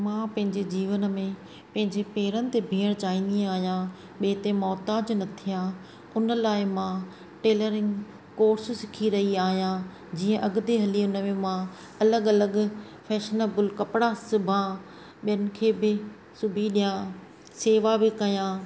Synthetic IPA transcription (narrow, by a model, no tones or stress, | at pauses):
mãːpɐ̃ɦɪ̃ɲd͡ʑed͡ʑiːʋənmẽ | pɐ̃ɦɪ̃ɲd͡ʑepeːɾənɪ̆t̪ebʱiːəɽ̃t͡ɕaːɦĩːnd̪ĩaːɦijã | ɓeːɪt̪emɔːt̪aːd͡ʑnɐt̪ʰijã | ʊnəlaːɪmã | ʈeːləɾɪ̃ŋɡ | koːɾssɪkʰiɾɐɦiaːɦijã | d͡ʑiːə̃ʔɐɡd̪eɦɐliʊnəmẽmã | ɐləɡɐləɡ | fɛːʃənəbʊlkɐpɪɽasʊbʱã | ɓijənɪ̆kʰeːbɪ | sʊbʱiɗijã | seːʋabɪkɐjãː